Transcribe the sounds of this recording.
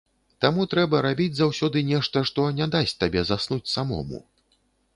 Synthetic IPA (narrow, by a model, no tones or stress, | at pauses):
t̪amut̪ɾɛbɐɾabʲid͡zʲzawsʲɔd̪ɨnʲɛʂt̪ɐʂt̪ɔnʲad̪asʲt̪abʲɛzasnut͡sʲsamɔ̰mṵ